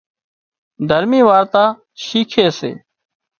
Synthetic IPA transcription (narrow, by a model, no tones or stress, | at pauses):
d̪ʱəɾmiːʋaːɾt̪aː | ʃiːkʰeːsḛː